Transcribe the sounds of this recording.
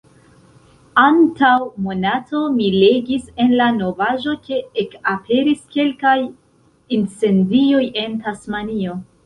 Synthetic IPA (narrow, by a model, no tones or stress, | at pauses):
antawmo̞nato̞mile̞ɡise̞nlano̞vaʒo̞t͡ʃe̞ekapʰe̞ɾiske̞lkaj | int͡se̞ndio̞je̞ntasmanio̞